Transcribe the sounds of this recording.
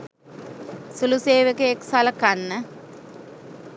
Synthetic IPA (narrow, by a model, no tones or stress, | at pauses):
suluseːʋekeeksaləkanːə